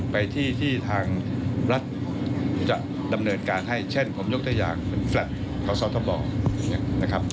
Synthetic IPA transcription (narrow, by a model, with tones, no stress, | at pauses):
pa˧jt̪ʰiː˥˩t̪ʰiː˥˩t̪ʰaː˧ŋɾa˦˥t̪̚t͡ɕa˨˩ʔ | da˧mnɤː˧nkaː˧nɦa˥˩jt͡ɕʰe˥˩npʰo˩˦mjo˦˥k̚t̪a˧˩ja̰ː˨˩ŋpe˧˦nflɛ˨˩t̪̚ | kʰa˨˦˥sɔ˦˥t̪ʰɔ˧˩bɔː˧˩˧na˦˥kʰa˦˥p̚